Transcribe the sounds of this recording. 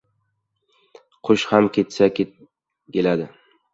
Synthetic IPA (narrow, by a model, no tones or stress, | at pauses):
qʰoʃhamkʲʰe̞t̪sa | kʲe̞lad̪ɪ